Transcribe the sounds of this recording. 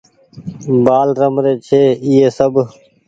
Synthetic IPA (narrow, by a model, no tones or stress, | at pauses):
baːlɾəmɾeːt͡ʃʰeːiːeːsəb